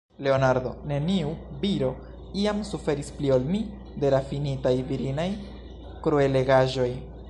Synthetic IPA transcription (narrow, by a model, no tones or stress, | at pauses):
le̞onaɾd̪o̞̰ne̞niubiɾo̞ | iamsufe̞ɾispliolmi | de̞lafinitajviɾinaj | kɾoe̞le̞ɡaʒo̞j